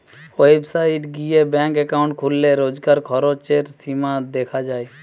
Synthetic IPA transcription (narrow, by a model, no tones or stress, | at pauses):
websaiʈɡijebɛ̃ŋkɛkaʊ̃ɳʈkʰulːeɾod͡ʒɡaɾkʰɔɾot͡ʃeɾsimad̪ekʰad͡ʒaːj